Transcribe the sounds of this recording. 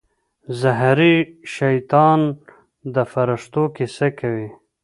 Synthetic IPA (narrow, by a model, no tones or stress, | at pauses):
zaɦɾiʃajt̪ɑn | d̪əfaɾəʂt̪okesakawi